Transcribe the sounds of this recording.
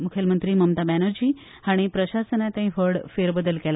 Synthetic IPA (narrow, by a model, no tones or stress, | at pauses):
mukʰjəlmənt̪ɾiːməmt̪abænəɾd͡ʑiː | aɽ̃ipɾəɕasənat̪ãɦĩʋəɽfeɾbəd̪əlkela